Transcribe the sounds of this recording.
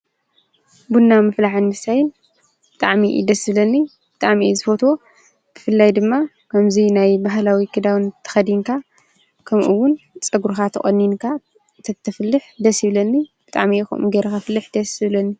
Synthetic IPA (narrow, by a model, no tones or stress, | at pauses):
bunːamɨflaħɨnmɨsajɪn | b̥ɨt̪ʼaʕmiʔḭd̪ɐsɨβlɐnːi | b̥ɨt̪ʼaʕmiezɨfot̪wo̞ | b̥ɨfɨlːajd̪ɨmːa | kʰɐmzinajbaɦlawikʰɨd̪awnt̪ʰɐ̥xɐd̪iŋkʰa | kʰɐmʔuwːʊnt͡sʼɐɡuɾxat̪ʰɐχʼɐ̰nːinkʰa | t̪ʰɐt̪ʰɐflːɨħd̪ɐsɨβlɐnːibɨt̪ʼa̰ʕmixṵmʔuɡeɾɐxafɨlːɨħd̪ɐsɨβlɐnːi